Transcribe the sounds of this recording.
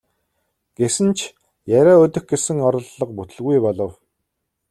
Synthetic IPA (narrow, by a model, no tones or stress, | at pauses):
ɡ̥esɘ̆nt͡ɕʰ | jæɾʲæːʊt̪ɵ̆xɡesɘ̆ŋɔɾɞ̆ɮːɞ̆q̚put̪ɵ̆ɮɣujpɔɮɞ̆w